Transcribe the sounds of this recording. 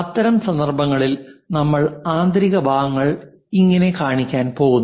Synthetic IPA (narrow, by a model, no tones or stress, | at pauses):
ɐt̪ːɐɾɐmsɐnd̪ɐrbʱɐŋːɐɭilnɐmːɐɭaːnd̪ɾiɣɐbʱaːʋɐŋːɐɭ | iŋːɐne̞kaːɳikʲːaːnpo̞ːɣunː